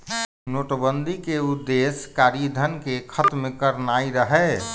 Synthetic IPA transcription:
noʈbənd̪ʱikeud̪ːeskaːɾid̪ʱənkekʰət̪mẽkəɾnaiɾəɦɛ

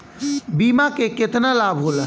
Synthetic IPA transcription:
biːmakekɪt̪nalaːbɦolə

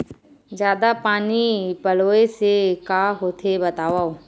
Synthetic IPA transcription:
d͡ʒjaːd̪apaːnipɐloːesekaːɦoːt̪ʰebɐt̪aːʋao

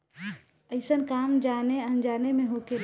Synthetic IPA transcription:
əɪsənkamd͡ʒaneənd͡ʒanemẽɦoke

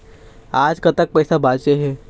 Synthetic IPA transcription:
aːd͡ʒkɐt̪ək̚pɛːsabaːt͡ʃeɦɛː

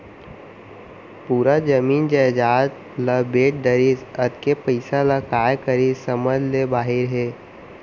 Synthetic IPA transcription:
puːɾad͡ʒəmiːnd͡ʒad͡ʒaːt̪ | ləbeːʈ̚ɖəɾizɐd̪kepəɪsaləkaːjkəɾisəməd͡ʒlebaːɦɪɾɦɛː

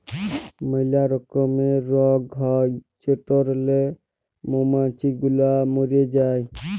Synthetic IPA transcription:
məɪlaɾɔkəmeɾɔɡɦɔt͡ʃeʈɔɾle | momãt͡ʃiɡulamoɾed͡ʒaːj

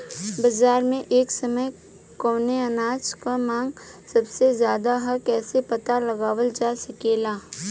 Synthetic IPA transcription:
bɐzaːɾmẽʔeːksɐməj | kɔːneɐnaːt͡ʃkamãːŋɡsɐbsezjaːd̪aɦɐkɛːsepɐt̪alɐɡaːʋəld͡ʒaːsɐkeːlaː

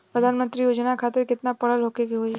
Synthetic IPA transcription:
pɾəd̪ʱaːnmənt̪ɾijoːd͡ʒnakʰat̪ɪɾkɪt̪napəɽəlɦokeɡiɦoːi

